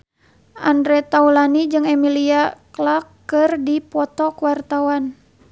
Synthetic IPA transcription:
ʔandɾɛt̪aulanid͡ʒɨŋɛmiliaklakːɨrdipɔt̪ɔkuwart̪awan

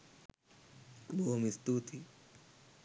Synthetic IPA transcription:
bomist̪uːt̪ʰi

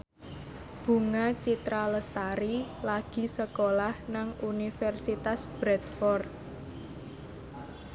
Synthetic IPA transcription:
b̥ṳŋat͡ʃit̪ɾaləst̪aɾilaɡ̥i̤səkolahnaŋunifɛrsit̪asb̥ɾɛd̪fɔrd̪

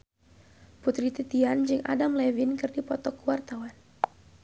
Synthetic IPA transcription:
put̪ɾit̪it̪iand͡ʒɨŋʔa̰damlɛvinkɨrdipɔt̪ɔkuwart̪awan

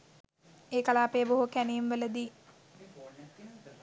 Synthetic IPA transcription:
eːkalaːpejəboɦukænemʋələd̪iː

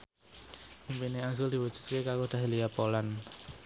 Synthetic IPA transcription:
impineazʊld̪̥i̤wəd̥ʒ̥ṳ̥t̪kekakod̪̥a̤ɦelijapolan

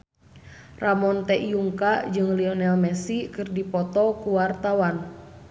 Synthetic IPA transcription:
ramɔnt̪ɛʔijuŋkad͡ʒɨŋliɔnɛlmɛsikɨrdipɔt̪ɔkuwart̪awan

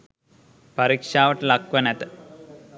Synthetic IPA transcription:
pɐɾiːkʂaːʋɐʈlɐkʋɐnet̪

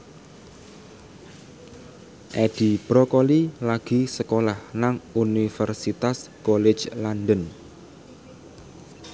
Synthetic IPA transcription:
ʔɛd̥i̤b̥ɾɔkolilaɡ̥i̤səkolahnaŋunifərsit̪askɔled͡ʒlandən

